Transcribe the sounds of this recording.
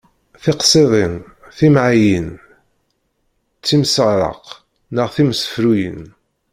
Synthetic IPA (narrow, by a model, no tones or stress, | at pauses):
θeqsˤeðˤen | θimʕajən | t͡sːimsəʁɾə̰q | nəʁθimsə̥fɾujə̰n